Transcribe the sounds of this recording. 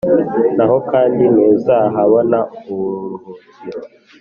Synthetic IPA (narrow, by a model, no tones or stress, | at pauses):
naɦokaːndineːzaːɦaβonauβuɾuhuzi